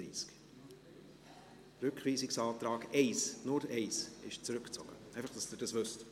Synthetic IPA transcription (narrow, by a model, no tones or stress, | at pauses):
ḭːsk | ɾʉkχviːsɪksɑːtɾɑːɡɛɪsnʊɾɛɪsɪʃt͡sɾʏkt͡sɔ̰ɡ̥ə̰ɛɪfɑχd̥ɑsd̥ɪɾd̥ɑsvʏst